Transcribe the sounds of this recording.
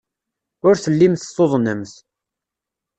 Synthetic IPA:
ʊɾθəlːimθθoðˤnəmθ

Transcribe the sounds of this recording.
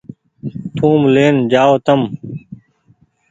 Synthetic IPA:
t̪ʰũːmleːnd͡ʑaːoːt̪əm

